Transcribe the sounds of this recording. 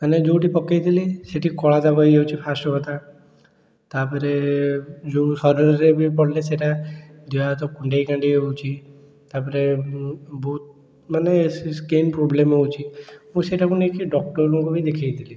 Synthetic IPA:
əned͡ʒoʈipɔkajd̪ʰiliseʈikɔɭad̪aʋəjeut͡ʃʰipʰasɔɦɔt̪a | t̪apəɾe | d͡ʒosɔɾəɾɾebʱipɔɽleseʈa | d̪iat̪ɔkuɳɖejkãɳɖieut͡ʃʰi | t̪apəɾe | bɔut̪̚ | manesskenpɾoblemeut͡ʃʰiɦũseʈakunekiɖɔk̚ʈɔɾɔŋkobʱid̪ekʰajd̪ili

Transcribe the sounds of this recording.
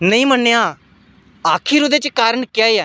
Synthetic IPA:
nəĩːmənːejaː | aːkʰiɾʊd̪eːt͡ʃkaːɾəɳkjaːeːɛː

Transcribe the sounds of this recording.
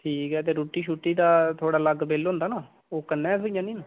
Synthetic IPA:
ʈʰiːkɛːt̪̬eːɾuːʈiːʃuːʈːiːd̪aːt̪ʰoːɽaːləɡbeːlɦõːnd̪aːnaː | oːkənːɛːsoijãːnĩːnː

